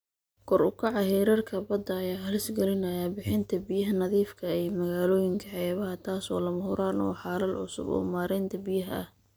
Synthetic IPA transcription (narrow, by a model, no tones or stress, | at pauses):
kʰɔrʊkʰɑʕɑɦɛːɾɐrkʰɐbɐd̪ːɐːjaːɦɐlɪsɡɛlɪnɐjaːbɪħɪnt̪ʰɐbɪjɐɦɐnɐðiːfkʰɐɛjmɐɣaːlɔːjɪŋkʰɐħɛːβɐɦɐt̪ʰaːsɔːlɐmɐhʊɾaːnɔ̰ːħɑːlɐlʕʊ̰sʊ̰bɔ̰ːmaːɾɛjnt̪ʰɐbɪjɐɦɐ̰ʔɐ̰h